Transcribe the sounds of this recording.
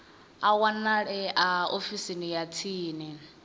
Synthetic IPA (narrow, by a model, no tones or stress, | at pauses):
awanaɺɛʔaofisinijatʰiːnɛ